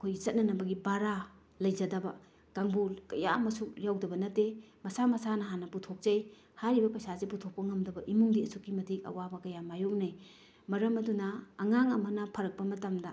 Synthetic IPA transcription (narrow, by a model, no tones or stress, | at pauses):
kʰojɡizɐt̚nɐnɐbɐɡibaɾa | lɐjzɐdɐbɐ̰ | kaŋbulkɐja̰mɐsuk̚ɾjawdɐbɐnɐtːemɐsamɐsanɐɦanɐputʰok̚zɐj | haɾibɐpɐsazeputʰok̚pɐŋɐmdɐbɐʔimuŋdiɐsukːimɐtʰik̚ɐ̰wabɐkɐjamajok̚naj | mɐɾɐmɐdunɐːŋaŋɐmɐnɐpʰɐɾɐk̚pɐmɐtɐmdɐ